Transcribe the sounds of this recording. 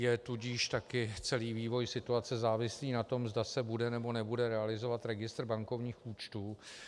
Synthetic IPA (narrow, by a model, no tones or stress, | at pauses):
jɛt̪uɟiːʃt̪akɪt͡sɛliːviːvo̞jsɪt̪uat͡sɛzaːvɪsliːnat̪o̞mzdasɛbudɛnɛbo̞nɛbudɛɾɛalɪzo̞vat̪ɾɛɡɪst̪rbaŋko̞vɲiːxuːt͡ʃt̪uː